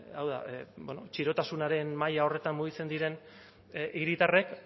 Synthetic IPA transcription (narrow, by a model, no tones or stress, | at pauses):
awða̰bono̞t͡ʃiɾo̞t̪asunaɾe̞nmajao̞re̞t̪ammuɣ̞it͡se̞nd̪iɾe̞n | ʔiɾit̪are̞k